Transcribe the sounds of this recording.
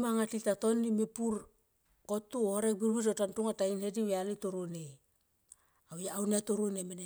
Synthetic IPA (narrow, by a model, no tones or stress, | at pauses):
maŋatitato̞nːimipuɾ | kotːuhoɾebiɾbitotantuŋatainhediwealitoɾone | awjaawnetuɾunemene